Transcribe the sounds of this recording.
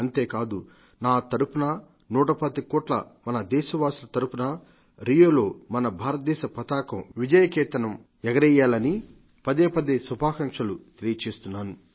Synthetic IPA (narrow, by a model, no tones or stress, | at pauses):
ɐnt̪e̞ːkaːd̪u | naːt̪ɐɾupunɐ | nuːʈɐpɐd̪ikoːʈlɐ̰mɐnɐd̪ɛːʃɐʋaːsulɐt̪ɐɾupunɐ | ɾijoːlo̞ːmɐnɐbʱaːɾɐt̪̚d̪ɛːʃɐpɐt̪aːkɐmʋid͡ʒɐjɐkɛːt̪ɐnɐm | ɛɡɐɾɛjːaːlɐni | pɐd̪eːpɐd̪eːsubʱaːkɐŋʂɐlut̪elijɐt͡ʃe̞ːst̪unːaːnu